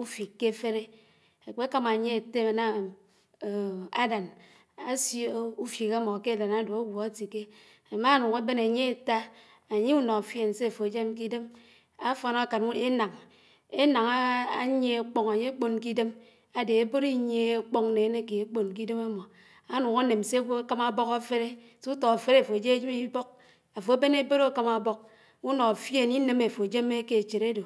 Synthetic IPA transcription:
u˦fi˨kːe˦fe˦ɾe˦ | e˨k͡pe˦ka˦ma˨ɲe˦e˨te˦a˨na˦˨ | a˦da˨n | a˦sjo˦u˦fi˨ke˦mɔ˨ke˦˨da˨na˨˦do˨a˦wo˨a˦ti˨ke˦ | a˨ma˦nu˨ŋa˦be˦na˨ɲe˦e˨ta˦ | a˨ɲe˦u˦nɔ˨fje˦˨n̩˨se˦˨fo˨e˨d͡ʒe˦mk̬i˦de˦m | a˦fo˨na˦ka˨nu˦e˦na˨ŋ | e˦na˨ŋa˦a˦ɲe˦˨k͡po˦ŋa˨ɲe˦k͡po˦nk̬i˦de˦m | a˨de˨e˦bo˦ɾi˦ɲe˦k͡pɔ˦ŋne˨˦ne˦ke˨e˦k͡po˨nk̬i˦de˦ma˦mo˨ | a˦nu˨ŋa˦ne˨m˨se˦wo˦ka˦ma˦bɔ˦ka˦fe˦ɾe˦ | sto˨a˨fe˦ɾe˦˨fo˨e˨d͡ʒe˦e˦d͡ʒe˦mi˦bo˦k̚ | a˨fo˨e˦be˦ne˦bo˦ɾo˦˨ka˦ma˨bɔ˦k̚ | u˦no˨fje˦˨ni˦ne˨me˨fo˨d͡ʒe˦me˦ke˨t͡ʃe˨ɾe˦do˨

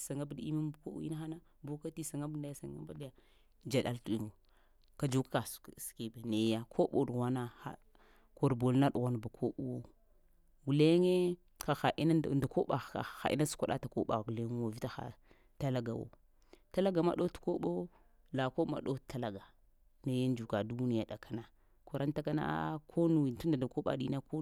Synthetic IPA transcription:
sa˨ŋa˦bdḭ˦ma˦m˦bko̰˦ṵ˦i˦na˦xa˦na˦ | bu˦ka˦ti˦sa˨ŋa˦bnda˨ja˦sa˨ŋ˦a̰˦ba˦da˦ja˨ | d͡ʒa˨ɗa˦ltu˦i˦˨mo˨ | ka˨d͡ʒu˦kḁ˦ka˨sski˦ba˨ne˨˦ja˦kʰo˦ɓo˨dwa˦na˦a̰˨ | ko˨ɾbo˨lna˦ɗu˨ɣa˦n˨ba˨kʰo˦ɓu˦wo˦ | wu˨le˦ŋe˦ | ka˨xa˨ʔi˦na˦˨da˨ko˦ɓa˨a̰˨xa̰˨ʔḭ˦na˦su̥˦kʷa˦ɗa̰˦ta˨ko̰˦ɓa˨ɡu˨le˦ŋ˦wo˨vi˦ta˦xa̰˨ | ta˦la˦ɡa˨wo̰˦ | ta˦la˦ɡa˨ma̰˨ɗo˦tko˦ɓo˦ | la˨ko˦ma̰˨ɗo˦˨ta˦la˨ɡa˨ | ne˨˦je˦nd͡ʒu˨ka˨du˦ni˦ja˨ɗa˨kʰa˦na˨ | ku˨ɾa˦n˦ta˦ka˦na̰˦kʰo˦nu˨i˨tu˦ndda˨ko˦ɓa̰˨ɗi˦na˦ko˦

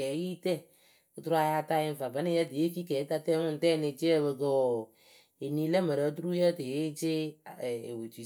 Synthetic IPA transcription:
ɛ˨˦ji˦tɛ˦ | o˦tu˦ɾa˦ja˦ta˦jɪ˦fa˨bə˨˦nɪ˦ja˦ti˨je˦fi˦kɛ˨˦ka˦tɛ˦ŋʊ˦n˨tɛ˦˨nɪ˧t͡ʃe˦ɛ˦βə˨kə˦˨ | e˨ni˦lɛ˦mə˨ɾə˨˦tu˦ɾu˦jə˦te˨e˦t͡ʃe˦˨ | we˨ti˨

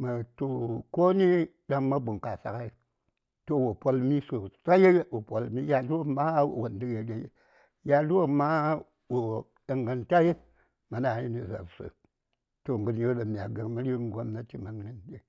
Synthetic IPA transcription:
ma˨to˨ko˦ni˦ | ɗa˦ŋma˦bu˨ŋka˨sa̰˨ka˦i˦ | to˦˨wo˨po˦lmi˦so˨sa˦je˦wo˨po˨lmi˦ja˨du˦wo˦ma˦˨wo˨ndi˦ɡe˨ɗe˨jḛ˦ | ja˨du˦wo˦ma˦ | wo˨ | ɗa˨ŋɡə˨nta˦je˦ | ma˨na˨ji˦ni˨za̰˨ɾso̰˨ | to˨ŋɡɨ˨njo˦ɗa˨mi˨a˨ɡə˨ɾmi˦ɾi˦ŋ˦ɡo˦mna˦ti˨ma˨ŋ˦ni˦nde˨

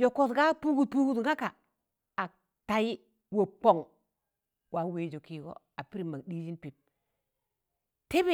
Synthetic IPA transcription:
jo˨kːo˨sɡa˦pu˦ɡu˦˨pu˦ɡu˦tŋa˦ka˨ | a˨ | ta˨ji˦ | wo˨k͡po˨ŋ | wa˨we˨d͡ʒo˨ki˨ɡo̰˦ | a˨pi˦ɾi˨ma˨ɡɗi˦d͡ʒi˦npi˨p̚ | te˦be˦˨

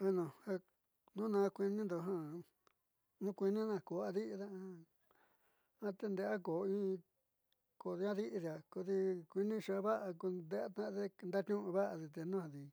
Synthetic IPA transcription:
a˧nõ˨ha˧ | nũ˦nã˧kʷi˧nĩ˦nd̪o˧ɦã˦ | nũ˦kʷi˧nĩ˦nã˧˨ko˨a˧ði˦ʔi˧ða˦a˧ | ã˧t̪e˧nd̪e˧ʔa˦ko˨˧ĩ˦˧ | ko˨ði˧˦ã˦ði˦ʔi˧ði˧˨a˨ko˧ði˧kʷi˧nĩ˦˧ʃa˧βa˦ʔa˧ku˧nd̪e˧a˦t̪ã˦˧e˦nd̪a˦t̪ʲũ˦ʔũ˧βa˦ʔa˧ði˧t̪e˧nũ˦hã˧ði˧

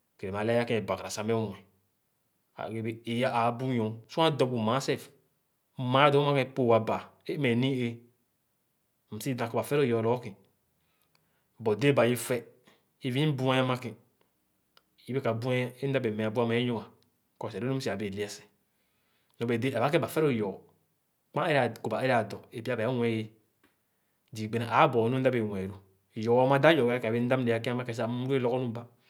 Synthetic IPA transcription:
ke˨ɾe˨ma˨lja˦kẽ˦e˨ba˨ka˨ɾa˨sa˨mɛ˦˨ɛ˨ | a̰˨ɡe˨be˨e˨ja˦a˨˦bu˦jõ˨˦su˦ã˦˨dɔ˨bu˨ma˨˦sɛ˦˨f | ma˨˦dɔ˦ma˦kɛ̃˦˨po˦˨wa˨ba˨e˦mɛ˨nĩ˦e˦˨ | m̩˨si˦da˨kba˨fɛ˦lo˦˨jɔ˨lɔ˦kĩ˨ | bɔ˨de˦ba˨je˦fɛ˦ | i˨vi˦bu˦a˦ja˦ma˦kĩ˨ | i˦be˦ka˨bu˦a˦e˦n̩˦da˦be˨mɛ̃˨a˨bu˦a˦˨ma˨je˦ɲo˦ŋa˨ | kɔ˨sɾo˦u˦si˨a˨be˨li˦a˦˨sɛ̥˨ | nɔ˨be˨de˦a˨ba˨˦ke˦ba˨fɛ˦ɾo˦˨jɔː˨ | k͡pã˦e˦ɾa˨ku˨ba˨e˦ɾa˨dɔ˨e˨pa˦˨ba˨a˦wʷɛ˦je˦ | di˨ɡ͡be˨na˨ʔa˨˦bɔ˨nu˦da˦be˨wɛ˨ɾu˦˨ | jɔ˨˦ma˦da˦jɔ˨ɡa˦a˦kbe˦n̩˦da˦mne˨˦a˨ka˦ma˦kẽ˨s̬a˨˦u˦e˦lɔ˦ɡɔ˦nu˦ba˦

